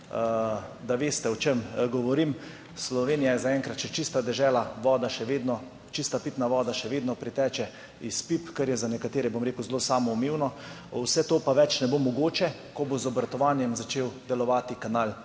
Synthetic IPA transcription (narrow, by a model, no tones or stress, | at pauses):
d̪aʋeːst̪ɛɔt͡ʃemɡɔʋɔɾim | slɔʋeːnijajɛzaɛŋkɾat̪t͡ʃɛt͡ʃist̪ad̪ɛʒɛːlaʋɔːd̪aʃɛʋeːd̪nɔ | t͡ʃist̪apit̪naʋɔːd̪aʃɛʋeːd̪nɔpɾit̪ɛːt͡ʃɛ | ispipkɐɾjɛzanɛkat̪eːɾɛbomɾeːkəwzloːsaːmɔumeːwnɔ | wsɛt̪oːpaʋɛt͡ʃnɛbomɔɡoːt͡ʃɛ | kɔbozɔbɾat̪ɔʋaːnjɛmzat͡ʃeːwd̪ɛlɔʋaːt̪ikanaːl